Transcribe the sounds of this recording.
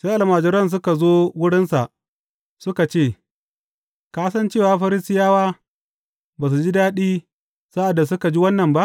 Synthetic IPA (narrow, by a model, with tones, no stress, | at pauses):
sa˦ʔa˨lmaː˨d͡ʒɪ˦ɾɐ˦ns̬ʊ˦ka˨zoː˦wʊ˦ɽɪ˦nsa̰˨ʔ | sʊ˦ka˨t͡ʃeː˦˨ | kaː˦sɐ˦nt͡ʃeː˦˨waː˨ɸɐ˦ɾɪ˦sɪ˦jaː˦waː˦ | baː˨s̬u˨d͡ʒi˦daː˦ɗiː˦ | sa˦ʔa˨dːa˨s̬ʊ˦ka˨d͡ʒi˦wɐ˦nːɐ˨mba˦ʔ